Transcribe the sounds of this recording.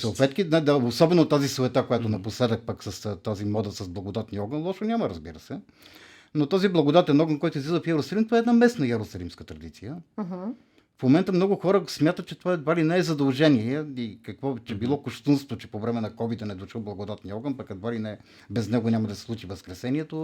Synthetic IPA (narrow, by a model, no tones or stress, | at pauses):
səlˠt̪vɛt̪kʲinɛd̪ɐosɔbɛnot̪azisoɛt̪akojat̪onɐposlɛd̪ək̚paksɐst̪azimɔd̪əsɐzblˠɐɡod̪at̪niɔɡənlˠɔʃonʲaməɾəzbiɾəsɛ | not̪ɔziblˠɐɡod̪at̪ɛnɔɡənkɔjt̪oʊizlid̪əfjɛɾʊsɐlimt̪ovaɛːd̪namɛsnɐjɛɾʊsɐlimskət̪ɾɐd̪it̪sijəɦ̩ | fmomɛnt̪əmnɔɡʊxɔɾəsmʲjat̪ət̪̚t͡ʃɛt̪ovaɛd̪valinɛɛzɐd̪ɐlˠʒɛniɛikɐkvɔt͡ʃɛbilˠɔkʊʃt̪unsvot͡ʃɛpovɾɛmɛnɐkɔvid̪ənɛd̪oʃəlˠblˠɐɡod̪at̪niɔɡənpɐkɐd̪valinɛ | bɛznɛɡonʲamɐd̪ɐsɛ̥slˠut͡ʃivəskɾɛsɛniɛt̪o